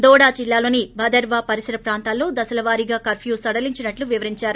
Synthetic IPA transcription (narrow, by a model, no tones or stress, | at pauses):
d̪ɔːɽaːt͡ʃilːaːlo̞ːnibʱɐd̪ɐɾʋaːpɐɾisɐɾɐpɾaːnt̪aːlːo̞ːd̪ɐsɐlɐʋaːɾiɡaːkɐɾpʰjuːsɐɽɐliɲt͡ʃinɐʈluʋiʋɐɾiɲt͡ʃaːɾu